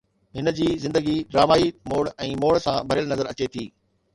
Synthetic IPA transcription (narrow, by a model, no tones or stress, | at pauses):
ɦɪnə̆d͡ʑiːzɪ̃nd̪əɡiɖɾaːmaːimoːɽɛ̃ːmoːɽsãbʱɐɾɪjəlnɐzəɾɐt͡ɕet̪ʰiː